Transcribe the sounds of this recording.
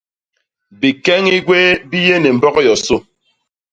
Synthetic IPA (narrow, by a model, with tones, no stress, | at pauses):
bi˨kɛ˦ŋi˦ɡwe˦bi˦je˦ne˨m̩˨bɔ˦ɣɔ˦jɔ˨so˦˨